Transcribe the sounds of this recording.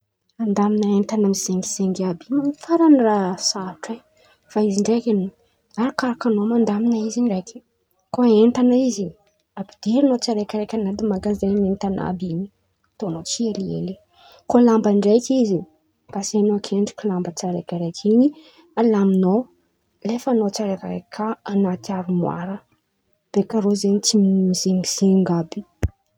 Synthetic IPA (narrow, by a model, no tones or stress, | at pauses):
and̪aminaent̪anamiz̥eŋɡiz̥eŋɡiabimanifaɾanirasaiʈ͡ʂej | faiziɳɖ͡ʐekʲeno | aɾakaɾakanomand̪aminaiziɳɖ͡ʐejkʲi̥ | koent̪anaizi | abid̪̥eɾinot͡siaɾejkʲaɾekʲanad̪imaɡazanent̪ana̰bini | t̪onot͡sieliḛli | kolambaɳɖ͡ʐejkizi | b̥asanoakʰeɳɖ͡ʐukʲulambət͡saɾekʲaɾekʰini | alamino | lefanot͡saɾeka̰ekʰaanat̪iaɾumwa̰ɾə | b̥ekaɾozenit͡sizemiz̥eŋɡabi̥